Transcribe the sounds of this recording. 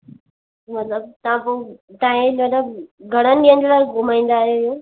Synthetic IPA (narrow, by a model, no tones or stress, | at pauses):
mɐt̪ləb̚t̪ɐʋãpoːt̪ãːɦɪ̃lɐt̪əbɡʱɐɽ̃ənɪɗijə̃nd͡ʑolaːɡʱʊmaːĩːnd̪aːɦjoijoː